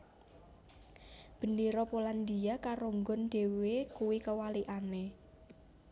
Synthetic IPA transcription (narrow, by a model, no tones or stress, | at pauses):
b̥ə̤ndiɾɔpoland̪iakaɾoŋɡʊnɖ̥e̤wekuwikəwaliʔane